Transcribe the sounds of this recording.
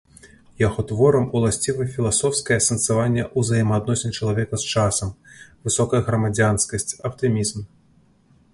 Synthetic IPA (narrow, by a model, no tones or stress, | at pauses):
jaɣɔt̪vɔɾɐmulˠasʲt͡sʲivɐfʲilˠasɔfskɐjɐsɐnt̪savanʲːɛʔuzajimɐad̪̚nɔsʲɪnʲt͡ʂɐlˠavʲɛkɐst͡ʂasɐmvɨsɔkɐjɐɣɾɐmad͡zʲanskɐsʲt͡sʲɐpt̪ɨmʲizm